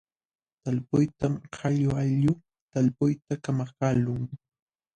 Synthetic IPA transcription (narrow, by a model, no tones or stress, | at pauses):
t̪alpʊjt̪amhɑʎʊaʎʊ | t̪alpʊjt̪akamakaːlʊŋ